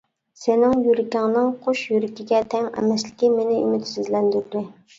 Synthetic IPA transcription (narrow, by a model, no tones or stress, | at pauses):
sɪnɪŋjuɾɪkʲɪŋnɨŋqʰoʃjyɾɪkʲʰiɡʲɛt̪ʰɛŋɛ̰mɛslɪkʲimenɪymɪt̪sɪzlɛnd̪yɾd̪ɪ